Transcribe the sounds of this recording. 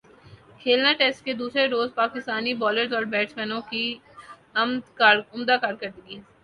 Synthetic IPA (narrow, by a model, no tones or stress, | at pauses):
kʰeːlnaʈeːsʈ̚ked̪uːsɾeɾoːzpaːkɪst̪aːnibɔːləɾzɔːɾbɛːʈsmɛ̃nõki | ɐmd̪kaɾʊmd̪akaːɾkɐɾd̪iɡiː